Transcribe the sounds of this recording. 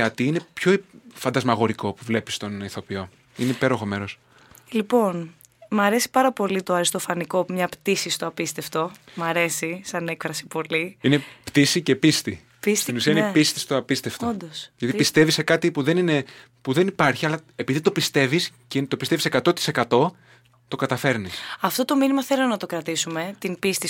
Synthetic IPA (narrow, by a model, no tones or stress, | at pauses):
ɐt̪iinepço̞fɐnd̪ɐzmɐɣo̞ɾiko̞puvle̞pi̥st̪o̞niθo̞pio̞ | ineipe̞ɾo̞xo̞me̞ɾo̞s | lipo̞n | mɐɾe̞si̥pɐɾɐpo̞lit̪o̞ɐɾist̪o̞fɐniko̞mɲɐpt̪isist̪oɐpist̪eft̪o̞mɐɾe̞sisɐnekfɾɐsi̥po̞liinept̪isice̞pist̪i | pisst̪inusiɐinepist̪i̥st̪oɐpist̪eft̪ood̪osʝɐt̪ipist̪e̞visekɐt̪ipuðe̞nine̞ | puðe̞nipɐɾçiɐlɐepiðit̪o̞pist̪e̞viscint̪opist̪evise̞kɐt̪o̞t̪i̥sekɐt̪o̞ | t̪o̞kɐt̪ɐfe̞ɾnisɐft̪o̞t̪o̞minimɐθe̞lonɐt̪o̞kɾɐt̪isume̞t̪impist̪i